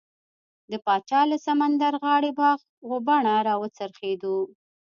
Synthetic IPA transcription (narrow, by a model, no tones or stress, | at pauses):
d̪əpɑt͡ʃɑlasamand̪aɾɣɑɽebɑɣ | ɣobaɳaɾɑwət͡səɾxed̪u